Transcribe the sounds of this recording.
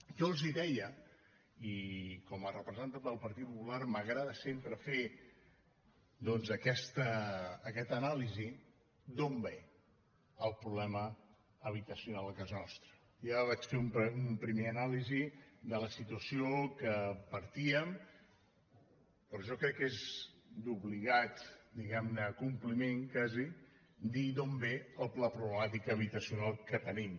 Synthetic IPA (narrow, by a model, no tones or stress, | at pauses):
ʒɔlˠziðɛjə | ikɔmərəpɾəzənt̪and̪əlˠpəɾt̪it̪̚pupularməɣɾaðəsempɾəfe | d̪ɔnzəkɛst̪əːkɛt̪ənalizi | d̪ombe | əlˠpɾuβlɛmə | əβ̞it̪əsiunalˠəkazənɔst̪ɾə | jaβat͡ʃfeumpumpɾimeənalizid̪ələsit̪uəsiokəpəɾt̪iəm | pɾɔʒɔkɾɛkːezd̪uβliɣ̞at̪d̪iɣɛmnəːkumplimeŋkazi | d̪id̪ombeəlˠplapɾuβləmat̪̬ikəβ̞it̪əsiunalˠkət̪ənim